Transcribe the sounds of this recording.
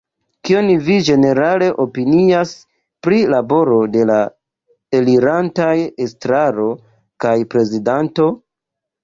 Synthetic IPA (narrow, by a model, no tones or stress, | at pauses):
kio̞nvid͡ʒe̞ne̞ɾale̞ʔo̞pinias | pɾilabo̞ɾo̞de̞la | e̞liɾantajestɾaɾo̞ | kajpɾe̞zidanto̞